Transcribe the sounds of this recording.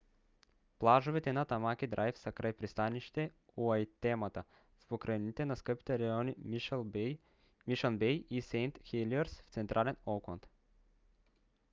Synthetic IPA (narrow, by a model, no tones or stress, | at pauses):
plˠaʒovit̪ɛnat̪amak̟id̪ɾʔajfsakɾajpɾist̪aniʃt̪ɛ | uajt̪ɛmat̪a | spokɾʔainit̪ɛnaskɤpi̥t̪ɛɾajɔni | miʃanbɛjisɛjnt̪xiliɛɾsft̪sɛnt̪ɾʔalɛnɔkont̪